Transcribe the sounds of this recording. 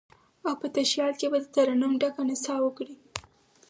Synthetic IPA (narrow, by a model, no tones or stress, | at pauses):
awpət̪aʃjɑlkebad̪ət̪aɾanumɖakanɪsɑwəkɽi